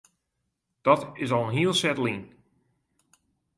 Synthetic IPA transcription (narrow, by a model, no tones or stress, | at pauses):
d̥ɔtɪs̬ɔlˠənɦiəlˠsɛtlin